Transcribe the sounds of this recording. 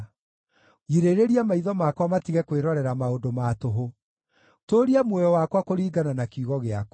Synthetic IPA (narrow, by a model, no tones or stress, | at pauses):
iɾeɾeɾiamaiðɔmakwamatiɣɛkweɾɔɾɛɾamaodomatoɦo | toɾiamwɔjɔwakwakoɾiːɡananakiuɣɔɣeak